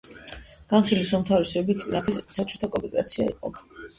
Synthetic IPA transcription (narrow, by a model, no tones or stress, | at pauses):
ɡ̥anχilisumt̪ʰavɾɛsɔɛbikʰɾʼinapʰisat͡ʃʰut̪ʰakʼɔmpʼik̪ʼa̰t̪sʰia̰ḭqʼɔ̰b